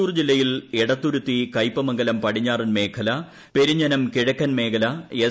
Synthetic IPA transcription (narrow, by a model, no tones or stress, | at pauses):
uːrd͡ʑilːɐjileɽɐt̪ːuɾut̪ːikɐjpːɐmɐŋɡɐlɐmpɐɽiɲːaːrɨnme̞ːkʰɐlɐ | pe̞ɾiɲːɐnɐmkiɻɐkːɐnme̞ːkʰɐlɐe